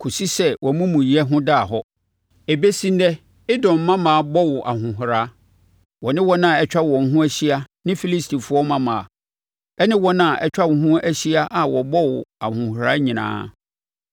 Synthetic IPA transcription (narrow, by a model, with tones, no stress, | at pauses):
kʰu˨si˦sɛ˦wʔɔ˨mũ˦mũ˨ji˨ɛ˦ɦʊ̃˦daː˦˨ɦɔ˦ | e˨be˦sĩ˦n˦dɛ˦ | ɪ˦dɔ̃˨m̩˨˦mã˦mãː˨a˨bɔ˦wʊ˨ʔa̰˨ɦʊ̃˨ɦʊ˨ɾa˨˦ | wɔ˨nɪ̃˦wɔ˦nã˦˨ɛ˨t͡ɕᶣa˦wɔ̃˨ŋ̩˨ɦʊ̃˦æ˦ɕi˦a˦nɪ̃˦fi˦li˦stʰi˨fʊ˦ɔ˦mã˦mã˨a˨ | ɛ˦nɪ̃˦wɔ˦nã˦˨ʔɛ˦t͡ɕᶣa˦˨ɦʊ̃˦æ˦ɕi˦a˦ʔa˨wɔ˨bɔ˦wʊ˨a˨hʊ̃˨hɾaː˦ɲĩ˨nã̰ː˦